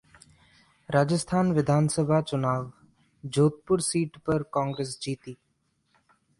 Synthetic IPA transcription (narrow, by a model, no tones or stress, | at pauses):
ɾaːd͡ʒəst̪ʰaːnʋɪd̪ʱaːnsəbʱat͡ʃʊnaːʋ | d͡ʒoːt̪̚pʊɾsiːʈpɐɾkãːŋɡɾeːs̬d͡ʒiːt̪iː